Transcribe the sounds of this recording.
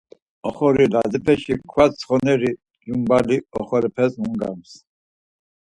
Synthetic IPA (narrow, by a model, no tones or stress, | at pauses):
ɔχɔɾilad̪ipʰɛʃikʰwat͡sχɔnɛɾi | d͡ʒumbaliɔχɔɾipʰɛsmuŋɡa̰ms